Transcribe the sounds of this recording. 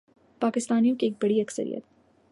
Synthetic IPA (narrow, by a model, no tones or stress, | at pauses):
paːkɪst̪aːnijõkieːk̚bɐɽiɐksə̰ɾḭjə̰t̪̚